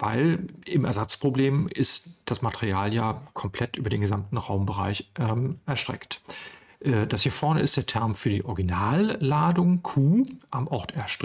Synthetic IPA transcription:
vaɪlɪmɛ̰ɐzat͡spʁ̥obleːmɪstd̥asmatəʁiaːljaːkʰɔmpʰl̥ɛtʔyːbɐdeːnɡəzamtn̩ʁaʊmbəʁa̰ɪçʔɛʔɛɐʃtʁ̥ɛ̰kt | ʔɛːd̥ashiːɐfɔɐnəɪst̚d̥eːɐtʰɛɐmfyːɐdḭːʔɔɐɡinaːlːaːdʊŋkʰuːʔamʔɔɐtʰɛɐʃtʁ

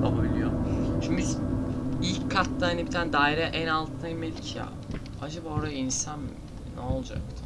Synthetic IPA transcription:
a̰babilʲijoʃimbiz | ilʲckʰːat̪ːahanibit̪ʰaːnɛd̪aːiɾɛʔænalˠt̪ʰɯnajmelʲicʰja̰ː | ad͡ʒabaːo̞ɾajainsan | nolˠd͡ʒa̰kt̪ʰ

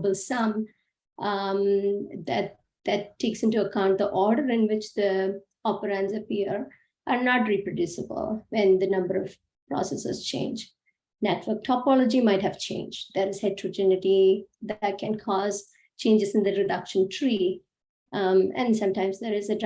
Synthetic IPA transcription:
bəlsʌ̃m | d̪æʈ̚ | d̪̥æʈʰːeːksɪ̃nʈuəkãʊ̃ɳʈ̚d̪əʔɔːɾɖəɾɪ̃nʋɪt͡ʃd̪ə | ɔpəɾãnzəpiəɾ | ʔaɾnɔʈɾipɾoɖjuːsəbə̰lʋɛ̃nd̪ənʌ̃mbəɾɔʋ | pɾɔ̰sɛsə̰zt͡ʃḛ̃ːnd͡ʒ | nɛʈʋəɾk̚ʈʰɔpɔləd͡ʒimaɪʈhæʋt͡ʃʰḛ̃ːnd͡ʒɖd̪əɾɪz̥haɪʈʰɾod͡ʒɛnɪʈid̪ʈ̚kɛ̃nkʰɔːz | t͡ʃẽːnd͡ʒɨz̃nd̪əɾɪɖʌkʃə̃nʈʰɾi | ɛ̰̃nsʌ̃mʈãɪ̃mzd̪eɾɪzəɖ

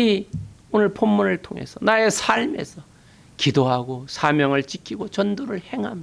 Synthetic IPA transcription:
ionɯɭpʰomːunɯɭtʰoŋe̞̰sʰʌnae̞sʰaɭme̞̰sʰʌ | kidoɦaɡosʰamjʌŋɯɭt͡ɕikʰiɡot͡ɕʌndoɾɯɭhe̞ŋɦamia

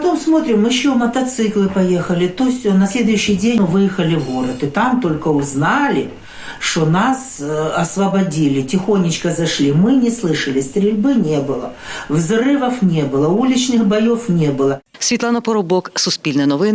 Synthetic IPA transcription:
pɐt̪o̞msmo̞t̪ɾʲɪmːɨɕːomɐt̪ɐt̪sɨklˠɨpɐjexəlʲɪt̪osʲonɐsʲlʲe̞d̪ʊjʉɕːɪjdʲevɨjɪxəlʲɪvoɾɐt̪ɨt̪amt̪o̞lʲkəʊznalʲɪ | ʂt̪onasɐsvɐbɐdʲilʲɪtʲɪxo̞nʲːɪt͡ɕkəzɐʂlʲimɨnʲɪslˠɨʂɐlʲɪst̪ɾʲɪlʲbɨnʲe̞bɨlˠɐvzrɨvɐfnʲebɨlˠɐulʲɪt͡ɕnɨxbɐjo̞fnʲebɨlˠɐ | sʲʋʲit̪lˠɑnɐpɔɾʊbɔksʊsʲpʲilʲnɐnɔʋɪn

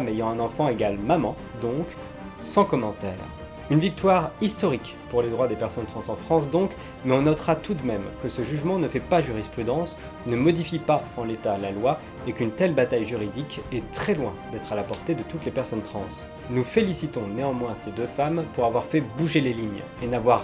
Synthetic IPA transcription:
mejɑ̃ɛ̃nɑ̃fɑ̃eɡalmamɑ̃ | d̪ɔ̃k | sɑ̃kɔmɑ̃t̪ɛ̰ːʁ | ynvik̚t̪waʁist̪ɔʁik | puʁled̪ʁwad̪epɛʁsɔnt̪χɑ̃sɑ̃fχɑ̃s̬d̪ɔ̃k | mɛɔ̃nɔt̪χat̪ud̪mɛmkəsəʒyʒmɑ̃nəfɛpaʒyʁispχyd̪ɑ̃s | nəmɔd̪ifipaɑ̃let̪alalwa | ekynt̪ɛlbat̪ajʒyʁid̪ikɛt̪χɛlwɛ̰̃d̪ɛt̪χalapɔʁt̪ed̪ət̪ut̪lepɛʁsɔnt̪χɑ̃s | nufelisit̪ɔ̃neɑ̃mwɛ̃sed̪øfampuʁavwaʁfɛbuʒeleliɲ | enavwaʁ

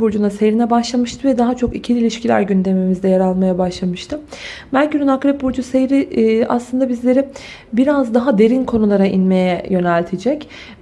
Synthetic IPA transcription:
buɾd͡ʒunasejɾinɛbaʃlˠamɯʃt̪ʰɯvɛd̪aɦat͡ʃʰo̞kicʰiilʲiʃcilʲæ̰ɾɟynd̪e̞mimizd̪ɛjaɾalˠmajabaʃlˠamɯʃt̪ʰɯmælʲcʰyɾynakɾɛp̚buɾd͡ʒuse̞jɾia̰slˠɯnd̪abizlʲe̞ɾi | biɾazd̪aɦad̪e̞ɾinkʰo̞nulˠaɾaʔḭnme̞jɛjø̞nɛlʲt̪ʰed͡ʒɛc

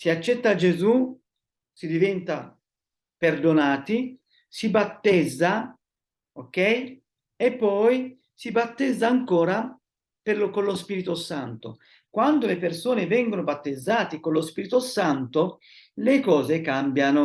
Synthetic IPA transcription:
siat͡ʃːɛt̪ːad͡ʒezu | sid̪ivɛnt̪a | perd̪onaːt̪i | sibat̪ːɛd̪zːa | okːɛj | epːɔj | sibat̪ːɛd̪zːaːŋkoːɾa | pelokonlospiːɾit̪osant̪o̰ | kwand̪olepersoːnevɛŋɡonobat̪ːed̪zːaːt̪ikonlospiːɾit̪osant̪o | lekɔːzekambjano

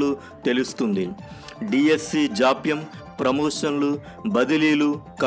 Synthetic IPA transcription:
lu | t̪e̞lust̪und̪iɖiːesːiːd͡ʒaːpjɐm | pɾɐmɔːʂɐnlu | bɐd̪iliːlukɐ

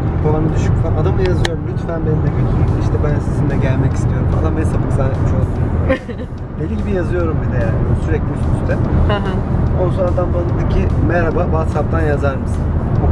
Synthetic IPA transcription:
babanɯd̪yʃycfanad̪amˠajazɯjo̞ɾumlʲyt̪fænbenimd̪ɛɟøt̪ʰiicʲiiʃt̪ʰɛbænsizind̪ɛɟælʲmɛcist̪ʰijo̞ɾumfa̰d̪ˠambjsʰabɯkzaːlʲɛt̪miʃolˠsɯnulijoɾm | belʲiɟibijazɯjo̞ɾumbid̪ɛjaːnsyɾɛclʲisyst̪ʰɛɦonusonad̪anbanɯnd̪acʰimɛɾabavat̪sap̚t̪ʰanjazaɾmɯsɯnu

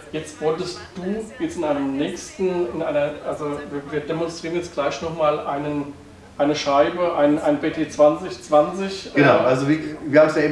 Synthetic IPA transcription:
jɛt͡stv̥ɔltəstd̥uːjɛt͡stɪnaɪnəmnɛːçstn̩ɪnʔaɪnɐʔalzoviːɐviːɐdemɔnstʁ̥iːʁənjɛt͡stɡ̥laɪçnɔχmaːlʔaɪnən | ʔaɪnəʃaɪbəʔaɪnəʔaɪnpeːtʰeːt͡sv̥ant͡sɪçt͡sv̥ant͡sɪçɡ̥ənaʊʔalzoviviːɐhaːbm̩sjaːɪːm

